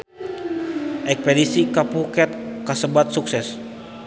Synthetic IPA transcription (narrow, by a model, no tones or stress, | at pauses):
ʔɛkspedisikapukɛt̪̚kasəbat̪̚suksɛs